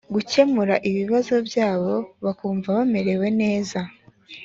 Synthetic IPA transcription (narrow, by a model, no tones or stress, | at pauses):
ɡuce̞muɾaʔiβiβazo̞bjaːβo̞βakuːɱvaβame̞ɾe̞we̞ne̞ːza